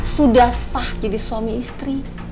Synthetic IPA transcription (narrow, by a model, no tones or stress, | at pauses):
sudahsahd͡ʒadiswamiːst̪ɾi